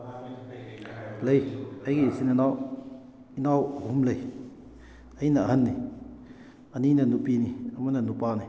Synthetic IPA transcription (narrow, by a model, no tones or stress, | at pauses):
ləjajkisinanaw | inawhumləj | ajnaʔɐɦənːi | aninɐnupiniɐmanɐnupaːni